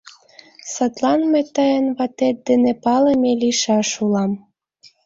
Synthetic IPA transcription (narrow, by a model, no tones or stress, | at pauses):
sɑt̪lɑnmet̪ɑjənβɑt̪et̪̚d̪enepɑləmeliʃɑʃulɑm